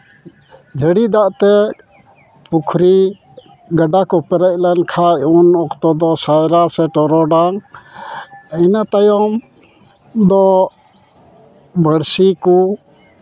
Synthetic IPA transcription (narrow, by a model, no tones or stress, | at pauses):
d͡ʒʱəɽid̪aʔt̪ɛ | pukʰɾi | ɡəɖakɔpɛɾɛc̚ˀlɛnkʰaunɔkt̪ɔd̪ɔsajɾasɛʈɔɾɔɖaŋ | inat̪ajɔm | d̪ɔ | bʱəɽsiku